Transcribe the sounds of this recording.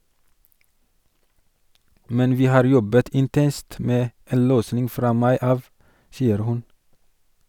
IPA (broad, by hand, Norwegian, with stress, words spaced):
ˈmɛn ˈʋiː ˈhɑːɾ ˈjɔbət ɪnˈtɛnst ˈmeː ˈeːn ˈløːsnɪŋ ˈfɾɑː ˈmɑɪ ˈɑːʋ ˈsiːəɾ ˈhʉn